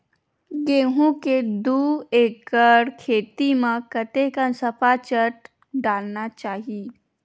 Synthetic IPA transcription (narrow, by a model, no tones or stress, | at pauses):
ɡeːɦũked̪uːeːkəɾkʰeːt̪imãkət̪ekasɐpat͡ʃəʈ̚ | ɖaːlnat͡ʃaːɦiː